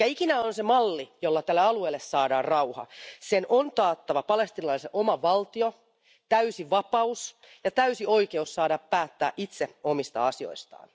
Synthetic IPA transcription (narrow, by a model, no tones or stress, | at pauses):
ɑikinæonsemɑlːijolːɑt̪ælːeɑlueːlːessɑːdɑːrrɑuhɑ̰senʔont̪ɑːt̪ːɑʋɑpɑlest̪inɑlɑliseʔomɑʋɑlt̪io | t̪æysiʋɑpɑus | jɑt̪æysioikeussɑːdɑppæːt̪ːæːʔit̪seomist̪ɑ̰ɑsio̰ist̪ɑ̰ːn